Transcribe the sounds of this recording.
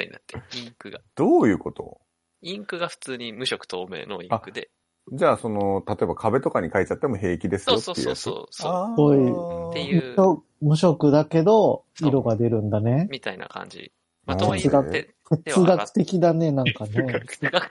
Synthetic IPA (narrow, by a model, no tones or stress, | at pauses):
at̪ːeĩkɯɡad̪̥oːjɯ̟ːko̞t̪o̞̰ | ĩŋkɯ̟ɡaɸɯ̟̥t͡sɨːɲ̟imɯ̟ɕokɯ̟̥t̪ʰoːmḛːno̞̰ĩakɯ̟d̪e | d͡ʑaːso̞no̞t̪at̪o̞e̞bakʰabe̞t̪o̞kaɲ̟ikait͡ɕat̪ːemoɦe̞ːkʲid̪e̞sɨjotoeiɯ̰ja̰t͡sɨo̰ːsoɡoiemɯok | mɯ̟ɕo̞kɯ̟d̪ake̞d̪o̞ | iɾo̞ɡad̪e̞ɾɯ̟̃nd̪ane̞mʲit̪aina̰kã̰ɲ̟d͡ʑḭ | maet͡sɨɡa | t̪et͡sɨɡakɯ̟̥t̪e̞kʲid̪ane̞nãŋkane